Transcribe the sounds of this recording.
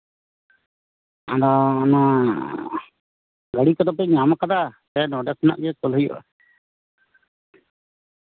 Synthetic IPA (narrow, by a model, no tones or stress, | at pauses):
adɔːna | ɡəɽikɔd̪ɔp̬ɛɲamakad̪asɛnɔɖɛsna̰ʔɡɛkɔlɦəjɔ̰ʔa̰